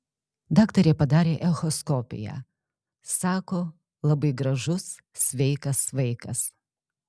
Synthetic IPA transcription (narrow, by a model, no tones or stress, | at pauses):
d̪ɑːkt̪ɐɾʲeːpɐd̪ɑːɾʲeːʔɛxɔskɔːpʲɪ̰jæ̰ː | sɑːkoː | lˠɐbɐɪɡɾɐʒʊs | sʲʋʲɛɪkɐsʋɐɪkɐs